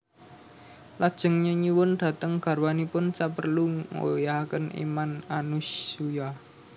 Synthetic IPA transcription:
lad̥ʒ̥ə̤ŋɲeɲiwʊnd̪̥ä̤t̪əŋɡ̥ä̤rwanipʊnt͡ʃapərluŋo̰jakənḭmananusuja

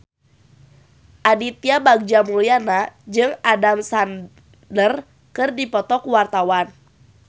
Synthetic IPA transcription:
ʔadit̪iabaɡ̚d͡ʒamulianad͡ʒɨŋadamsan | dər | kɨrdipɔt̪ɔkuwart̪awan

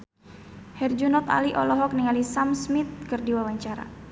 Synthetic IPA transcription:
hɛrd͡ʒunɔt̪a̰liʔɔlɔɦɔk̚niŋalisamsmit̪̚kɨrdiwawaɲt͡ʃaɾa̰

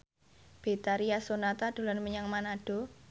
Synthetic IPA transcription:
b̥e̤t̪aɾiasonat̪ad̪̥o̤lanməɲaŋmanaɖ̥ɔ̤

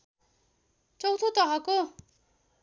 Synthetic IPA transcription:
t͡sʌwt̪ʰot̪ʌɦako

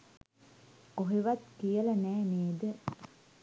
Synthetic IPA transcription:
oɦeʋat̪kijəlɐnɛːneːd̪ə

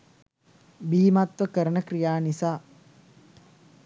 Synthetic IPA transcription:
biːmat̪ʋəkəɾənəkrijaːnisaː

